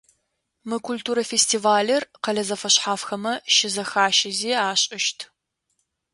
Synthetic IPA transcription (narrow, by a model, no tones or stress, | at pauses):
mɨkʷʰultʰuːɾɐfestʰiːvaːlɐrqɐlɐzɐfɐɕħaːfxɐmɐʃɪzɐxaːʃɪziːaːɕʼɪʃtʰ